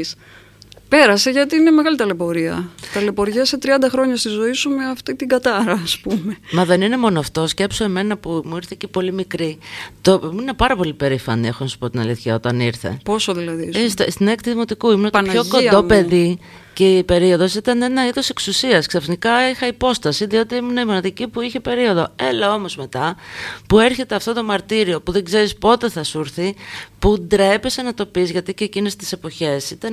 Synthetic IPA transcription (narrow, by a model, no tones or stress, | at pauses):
s | pe̞ɾɐse̞ʝɐt̪iineme̞ɣɐlit̪ɐlepo̞ɾiɐt̪ɐle̞poɾʝiɐset̪ɾiɐnd̪ɐxɾo̞ɲɐst̪izo̞isumeɐft̪it̪iɡɐt̪ɐɾɐːspume̞mɐðe̞nine̞mo̞noɐft̪o̞sce̞psoe̞me̞nɐpumuiɾθicepo̞limikɾit̪omuinepɐɾɐpo̞lipe̞ɾifɐnie̞xonɐsu̥po̞t̪inɐliθçɐo̞t̪ɐniɾθe̞̰posoðilɐðist̪st̪inekt̪iðimo̞t̪ikuimnot̪ɐnpçokod̪o̞pe̞ði | ceipe̞ɾio̞ðo̞sit̪ɐne̞nɐiðo̞se̞ksusiɐsksɐfnikɐixɐipo̞st̪ɐsiðio̞t̪iimuneimonɐðicipuiçe̞pe̞ɾio̞ðo̞e̞lɐo̞mo̞zme̞t̪ɐpue̞ɾçe̞t̪eɐft̪o̞t̪o̞mɐɾt̪iɾio̞puðe̞ɡze̞ɾispo̞t̪e̞θɐsuɾθipud̪ɾepe̞senɐt̪o̞pizʝɐt̪icecinest̪i̥se̞po̞çe̞sit̪ɐn